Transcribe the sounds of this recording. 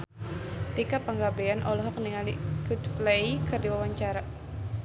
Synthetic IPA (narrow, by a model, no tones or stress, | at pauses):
t̪ikapəŋɡabɛanʔɔ̰lɔɦɔk̚niŋaliɡut̪flejkɨrdiwawaɲt͡ʃaɾa